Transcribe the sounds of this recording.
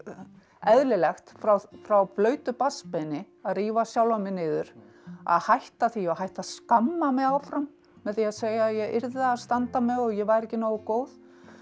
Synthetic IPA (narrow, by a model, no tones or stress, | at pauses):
ɛðlɪlɛxt̪fɾawfɾawflœːɥt̪ʏpaspɪnɪ | aðriːvasjawlamɪnɪːðʏɾ̥ | a̰ðhajht̪aθiahajht̪askamːamɛðawfɾamː | ɛðθiaðseːjajɛʔɪɾðaaðst̪ant̪amɛɣɔɣjɛvajɾɛhcːɪnoːwʏkoːwð